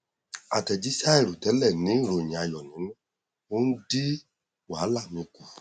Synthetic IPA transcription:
a˨tɛ˨d͡ʒi˦sa˦ɛ˦˨ɾu˨tɛ˨˦lɛ˦˨nĩ˨˦ɾo˨ɲi˨a˧jɔ˨nĩ˨˦n˦ | o˦n̩˦di˦ | wa˨˦la˦˨mĩ˧˦ku˨

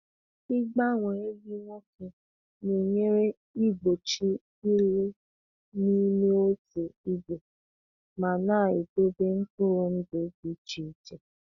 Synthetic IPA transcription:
i˦ɡ͡ba˦ŋʷe˨e˦ɡi˦ŋʷo˦ke˨ | ni˨ɲe˦ɾe˦ | i˦ɡ͡bo˨t͡ʃi˦ | i˦le˦ | ni˦me˦o˦te˨i˦ɡ͡be˨ | ma˨na˦˨i˨do˦be˦ŋ̩˦kʊ˦ɾʊ˨n̩˦do˨˦bi˨t͡ʃi˦˨t͡ʃe˨

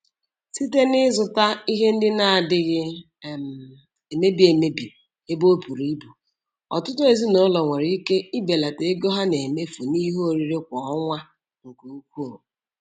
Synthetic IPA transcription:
si˦t̬e˦nɪ˦zʊ˨ta˦i˦ɦe˦n̩˦dɪ˦na˦˨a˨dɪ˦ɣɪ˦˨ | m˨ | e˨me˦bi˨˦e˨me˦bi˨ | e˦bo˦pu˨ɾi˨˦bu˨ | ɔ̰˨tʊ˦tʊ˦e˨zi˦no˦lɔ˨ŋʷe˨ɾi˦ke˦i˦be˨la˨te˨e˦ɡɔ˦ɦa˦ne˨me˦fo˨ni˦ɦo˦˨ɾi˦ɾe˦kʷɔ˨ɔ˦ŋʷa˦ | ŋ̩˨ko˨u˦kʷu˦˨o˨

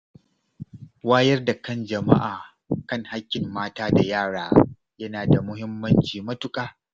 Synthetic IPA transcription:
waː˦jɐ˦rda˨kɐ˦nd͡ʒɐ˨ma̰˦ʔaː˨ | kɐ˦ŋha˦kʲːɪ˨mːaː˦taː˦da˨jaː˦˨ɽaː˦ | jɐ˦naː˨da˨mʊ˦hɪ˦mːɐ˦nt͡ʃiː˨mɐ˦tʊ˨kʼaː˦

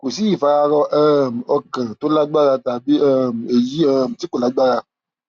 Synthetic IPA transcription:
ko˨si˦ji˦˨fa˧a˧ɾɔ˧ʔɛː˦˧˨m̩˨ɔ˧kã˨to˨˦la˦ɡ͡ba˦ɾa˧ta˨bi˦ɛ˦˨m̩˨e˨ji˨˦ɛ˦˨m̩˨ti˦ko˦˨la˨˦ɡ͡ba˦ɾa˧

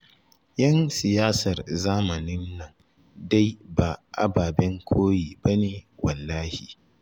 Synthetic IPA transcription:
jɐ˦nsɪ˨jaː˦sɐ˨rzaː˦mɐ˨nɪ˦nːɐ˨ŋ | da˦jba˨ʔa̰˦baː˨bɛ˦ŋkʷʰoː˦jiː˨ba˦neː˨wɐ˨lːaː˦hḭ˨

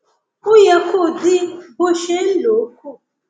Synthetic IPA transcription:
ʊ˦ja˨ko˦˨dɪ˦bo˦ʃe˦n̩˦lo˨˦k̚u˦˨

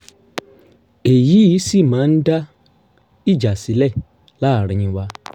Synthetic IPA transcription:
e˨ji˨˦i˨˦si˦˨mãː˨˦n̩˦da˦ | i˦˨d͡ʒa˨si˨˦lɛ˦˨ | la˦˨ɾ̃ĩ˨ĩ˧wa˧

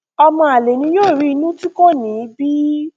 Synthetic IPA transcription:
ɔ˧mɔ̃˧a˨le˨nĩ˧joː˦˨ɾi˨˦i˧nũ˦ti˦ko˦˨nĩ˨˦bi˦

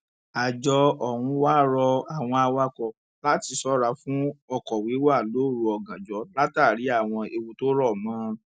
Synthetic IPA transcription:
a˨d͡ʒɔ˧ɔ˨hũ˧wa˦˨ɾɔ˧a˨w̃ɔ̃˧a˧wa˦kɔ˧ | la˦ti˧sɔ˦ɾa˨˦fũ˦ɔ˧kɔ˨wi˨˦wa˦˨lo˨˦˨ɾu˧˦ɔ˧ɡã˨d͡ʒɔ˨˦la˦taː˦˨ɾi˨˦a˦˨w̃ɔ̃˧e˧wu˧to˦ɾɔ˦˨mãː˨˦

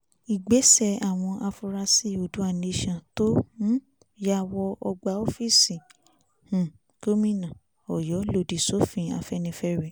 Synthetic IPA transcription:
i˨ɡ͡be˨˦sɛ˦˨a˨w̃ɔ̃˧ʔa˧fu˧ɾa˧si˦˨o˨du˨˦a˦˨ne˧˦ʃɔ̃˨to˦ñ̩˦ | ja˦˨wɔ˧ʔɔ˧ɡ͡ba˧˦o˦fi˦˨sĩ˨ | h̩˨ | ko˦mĩ˦nã˨ | ɔ˨jɔ˨˦lo˧˨di˨so˨˦fĩ˧a̰˧fɛ˦nĩ˧fɛ˦ɾe˨

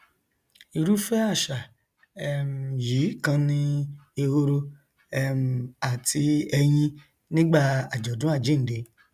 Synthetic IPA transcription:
i˨ɾu˦fɛ˦a˦˨ʃa˨ | ɛ˨m˨ji˨˦kã˧nĩ˦e˧ho˧ɾo˧˦ | m˨a˨tʰi˧ɛ˧j̃ĩ˦ | nĩ˦ɡ͡ba˦˨a˨d͡ʒɔ˨dũ˦a˦˨d͡ʒe˨˦˨de˧˦

